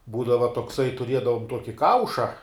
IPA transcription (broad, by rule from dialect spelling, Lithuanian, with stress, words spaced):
ˈbuːdɐʋɐ toːkˈsɐɪ tʊˈrʲiɛdɐʋoːm ˈtuɔkʲɪ ˈkɐʊʃɐ